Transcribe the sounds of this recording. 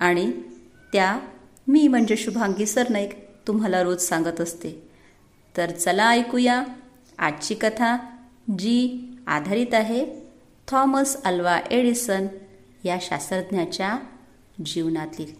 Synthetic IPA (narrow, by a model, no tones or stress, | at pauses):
aɽ̃i | t̪ja | miːm̤əɳd͡ʑeɕubʱãŋɡisəɾnaikt̪umɦalaɾoːd͡zsãŋɡət̪əst̪e | t̪əɾt͡səlaːjkuja | a̰t͡ɕikət̪ʰa | d͡ʑia̰d̪ʱaɾiːt̪aɦe | t̪ʰɔməsəlʋaʔeɽisən | jaɕa̰səɾd̪njat͡ɕja | d͡ʑiʋnat̪liːl